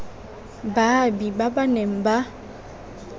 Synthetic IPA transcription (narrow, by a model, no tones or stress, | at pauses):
babibabanɛm̩ba